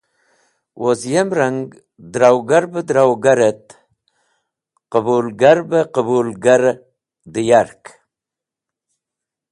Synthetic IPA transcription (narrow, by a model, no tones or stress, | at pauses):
wʔozjemɾaŋɡ | d̪ɾawɡaɾbəd̪ɾawɡaɾət̪ | qəbulɡaɾbəqəbulɡaɾ | d̪əjaɾk